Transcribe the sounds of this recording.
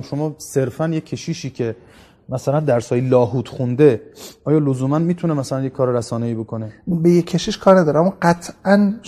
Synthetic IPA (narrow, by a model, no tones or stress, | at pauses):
ʃomɒːse̞ɾfænjecʰːeʃiːʃiːcʰe̞ | mæsælænd̪æɾshɒːjilɒːɦuːt̪ʰxund̪e̞ʔɒːjɒːlozuːmænmiːt̪ʰunemæsælænjekʰːɒːɾeɾæsɒːneiːbokonebejekʰːeʃiʃkʰɒːɾnæd̪ɒːɾeæmːɔːɡæt̪ʰʔæn